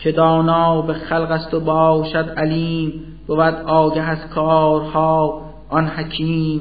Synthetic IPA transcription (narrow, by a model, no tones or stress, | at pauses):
cʰed̪ɒːnɒːbexælɣæst̪obɒːʃæd̪ʔæliːm | b̥ovæd̪ʔɒːɟæɦæskʰɒːɾhɒː | ʔɒnhæcʰiːm